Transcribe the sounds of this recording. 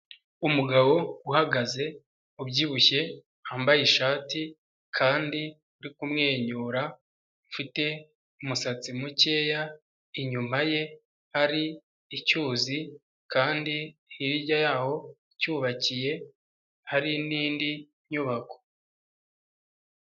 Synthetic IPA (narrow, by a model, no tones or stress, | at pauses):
umuɡaβo̞uhaɡaze̞ | ubɟiːβuçe̞ | haːmbajiʃaːti | kʰaːndi | uɾikumŋe̞ːɲuːɾa | ufite̞ | umusat͡simuce̞ːja | iɲumaje̞ | haɾiː | cuːzi | kaːndihiɾiɾɟajaːho̞ | cuːβacije̞ | haɾiniːndi | ɲuβako̥